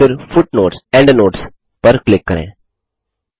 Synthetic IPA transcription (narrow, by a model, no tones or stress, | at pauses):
ɪɾfʊʈnoːʈsɛ̃ɳɖnoːʈs | pɐɾklɪkːɐɾḛ̃ː